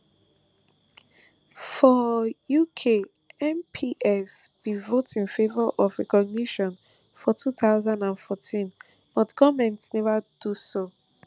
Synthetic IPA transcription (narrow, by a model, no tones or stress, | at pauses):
fɔjukʰe | ɛ̃mpʰiʔɛsb̥ivotĩnfevɔʔɔfɹɛkɔɡ̚niʃɔ̃n | fɔtʰuθaʊzãndãnfɔtʰĩn | b̥ɔtkʰɔmɛ̃ntsnɛvad̥uso